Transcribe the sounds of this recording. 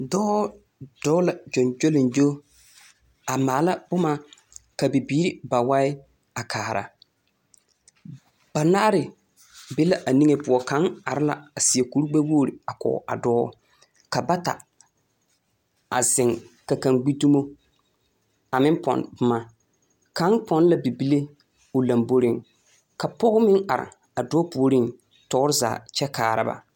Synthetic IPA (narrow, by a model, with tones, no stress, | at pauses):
dɔː˦ | d̥ɔ˦la˨d͡ʒo˨nd͡ʒo˦lɪ˨nd͡ʒo˦ | a˨maː˨˦la˦bʊ˦ma˦ | ka˨bɪ˨biː˦ɾɪ˦ba˨wa˦ɪ˦ | a˨kʰaː˨ɾa̰˨ | b̥a˨na˦ɾɪ˨ | bɪ˦la˨ʔa˨ni˦ŋe˨pʊ˨ɔ˨ka˨˦ŋa̰˨ɾɪ˦la̰˨a˨sɪ˨a˨ku˦ɾu˦ɡ͡ba˦woː˦˨ɾi˨a˨kɔ̰˨ʔa̰˨dɔː˦ | ka˨ba˦ta̰˨ | a̰˨zɪ˨ŋka˨ka˨ŋɡ͡bi˦du˦mo˦ | a˨mɪ˦mpɔ̰˨nbʊ˦ma˦ | ka˦npɔ˨n˦la˨bi˨bi˦le˦ | ʊ˨la˨mbo˦ɾɪ˨ŋ | ka˨pɔ˦ɣʊ˦mɪ˦ŋa˨ɾɪ̰˨ | a˨dɔː˦pu˨o˨ɾi˦ŋ | tɔ˦ʊ˦ɾɪ˦za̰ː˨t͡ʃɛ˦kaː˨ɾa̰˦ba̰˨